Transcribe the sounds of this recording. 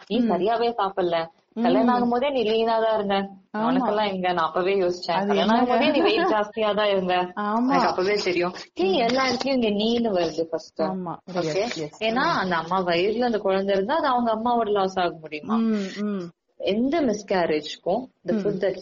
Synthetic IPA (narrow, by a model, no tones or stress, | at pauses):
niːsɐɾɪjaːʋeːsaːpɐlːɛ | kɐljanaːŋɡɐmpoːðiniːlːinãːt̪ãːɪɾɯnd̪ɐɐʋɐnɐkkːɛlːãːɛŋɡɐnãːɐpːɐʋeːjoːsɪ̥t͡ʃːɛ̃ːkɐljɐnaːɡɐmpoːðiniːʋɐjkd͡ʒaːst̪ɪjaːt̪ãːɪɾɯnɡ̪ɐnkːɐpːɐːʋeːt̪ɛɾɪjʊ̃nĩːɛlːaːɪɾɯk̪ːɐjʊ̃ɪŋɡeniːnɯʋɐɾɯðɯfɐsʈʊ̃oːkeeːnːaːɐnd̪ɐɐmːaːʋɐjɪɾɪlɐnd̪ɐkɔɻɐnd̪ɐɪɾɯnd̪aːɐðɯɐʋɐŋɡɐɐmːaːʋɐɽɯlaːsaːɣɐmʊɽɪjɯmã̰ː | ɛnd̪ɐmɪskaːɾeːd͡ʒkːʊ̃ɐnd̪ɐfʊd̪ːɐ